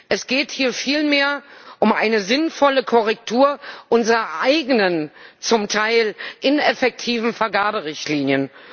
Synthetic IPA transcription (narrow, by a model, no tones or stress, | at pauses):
ʔɛsɡ̥eːthiːɐfiːlmeːɐʔʊmʔa̰ɪnəzɪnfɔləkʰɔʁɛk̚tʰuːɐʔʊnzəʁɐʔaɪɡənənt͡sʊmtʰaɪlʔɪnɛfɛk̚tʰiːvn̩fɛɐɡaɐbəʁɪçtliːnjən